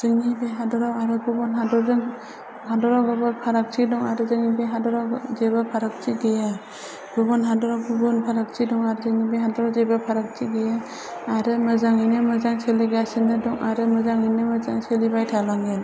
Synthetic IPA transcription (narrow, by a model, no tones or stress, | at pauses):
zɯŋibeɦadɔɾawaɾɯɡubɔnɦadɔɾzɯŋ | hadɔɾawɡɯbɯpʰaɾak̚t͡ʃʰidɔŋaɾɯzɯŋibeɦadɔɾawzebapʰaɾak̚t͡ʃiɡeja | ɡ̥ubɔnɦadɔɾawɡubɔnpʰaɾak̚t͡ʃʰidɔŋaɾɯzɯŋibeɦadɔɾawzebapʰaɾak̚t͡ʃʰiɡeja | aɾɯmɯzaŋɯjnɯmɯzaŋseliɡasinɯdɔŋʔaɾɯmɯzaŋɯnɯmɯzaŋselibajtʰalaŋen